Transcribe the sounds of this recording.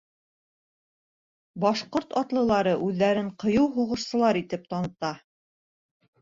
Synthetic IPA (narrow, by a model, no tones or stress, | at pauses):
bɑʃqoɾt̪ɑt̪lˠɤ̆lˠɑɾɤʔʉðːæɾɘɴqɤ̆jɤwɦuʁɤ̆ʃsɤ̆lˠɑɾit̪ɘp̚t̪ɑnɤ̆t̪ɑ